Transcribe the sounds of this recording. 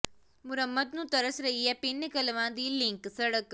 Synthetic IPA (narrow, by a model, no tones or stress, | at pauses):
muɾɐmːɐd̪nut̪ɐɾɐsɾɐijɐpinːɐkɐlɐʋãːnd̪iliŋksɐɽɐk